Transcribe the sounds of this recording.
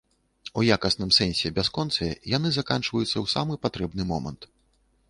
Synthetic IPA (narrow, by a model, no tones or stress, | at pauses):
ujakɐsnɨmsɛnʲsʲɛbʲaskɔnt̪sɐjɛ̰janɨzakant͡ʂvɐjut̪sːɐwsa̰mɨpat̪ɾɛbnɨmɔmɐ̰nt̪